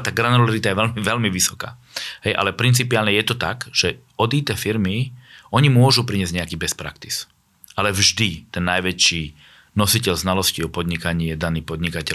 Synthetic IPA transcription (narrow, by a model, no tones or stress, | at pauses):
t̪aːɡɾanɔlaɾit̪ajɛʋɛlmiʋɛlmiʋisɔ̥ka̰ː | ɦɛjʔa̰lɛpɾint͡sipiaːlɲɛjɛt̪ɔt̪akʒ̥ɛ | ɔd̪it̪ɛːfiɾmiɔɲimʊɔʒupɾiɲɪɛzɟɲɛakiːbɛspɾa̰kt̪i̥s | ʔalɛvʒd̪it̪ɛnːajʋɛt͡ʃiː | nɔsicɛlznalɔsciɔpɔd̪ɲikaɲɪɛd̪aniːpɔd̪ɲikacɛ